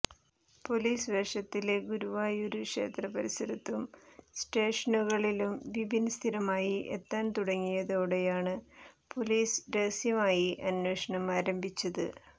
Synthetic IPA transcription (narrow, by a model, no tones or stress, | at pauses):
po̞liːsʋeːʂɐt̪ːileɡuɾuʋaːjoɾukʂe̞̰ːt̪rɐpɐɾisɐɾit̪ːumsʈe̞ːʂɐnuɣɐɭilumʋibʱinɐst̪ʰiɾɐmaːjiʔḛt̪ːaːnt̪uɽɐŋːijɐðoːɽejaːɳɨpo̞liːsɾeːsjɐmaːjiʔɐnwe̞ːʂɐɳɐmaːɾɐmbʱit͡ɕːɐðɨ̰